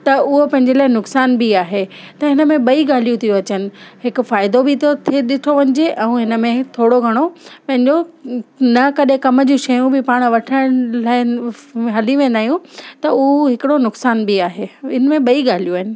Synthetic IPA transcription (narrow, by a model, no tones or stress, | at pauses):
t̪ɐʊɦopɐ̃ɦɪ̃ɲ̆d͡ʑelaːɪnʊksaːnbiaːɦet̪ɐɪnə̆mẽɓɐiɡaːlijũt̪ʰijoɐt͡ɕənɪ̆ɦɪkʊ̆faːɪd̪obɪt̪ʰot̪ʰeɗɪʈʰoʋɐɲɪ̆d͡ʑeʔɛ̃uɦɪnə̆mẽt̪ʰoːɽoɡʱɐɽ̃opɐ̃ɦɪ̃ɲd͡ʑo | nɐkɐɗɦẽkɐmə̆d͡ʑũʃɐjũbɪpaːɽ̃̆ʋɐʈʰəɽ̃laːɪɦɐliʋẽːn̆d̪aːɦijũt̪ɐʊɦoɦɪkɪɽonʊksaːnbiaːɦeɪnəmẽɓɐiɠaːl̤ijuaːɦɪnɪ̆